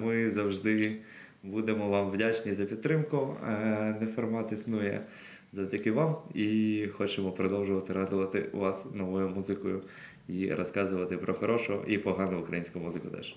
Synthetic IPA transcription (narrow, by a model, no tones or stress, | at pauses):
mɪzɐwʒd̪ɪ | bud̪emɔʋɑmʋdʲat͡ʃnʲizɐpʲidt̪t̪ːɾɪmkʊ | nɛfɔrmɑt̪isnujɛ̰ | zɐwdʲɐkɪʋɑmixɔt͡ʃemɔpɾɔd̪ɔwʒʊʋɐt̪ɪɾɑd̪ʊʋɐt̪ɪ̰ʋɑsnɔʋɔjʊmuzɪkʊjʊ | iɾʔɔskɑzʊʋɐt̪ɪpɾɔxɔɾɔʃʊɔ̰ʔipɔɦɑnʊʊkɾɐ̰jinʲsʲkʊmuzɪkʊt̪ɛ̰ʃ